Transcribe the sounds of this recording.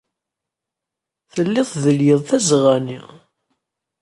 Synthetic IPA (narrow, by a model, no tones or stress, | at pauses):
θəlːɪðˤðəljəðˤθæzʁani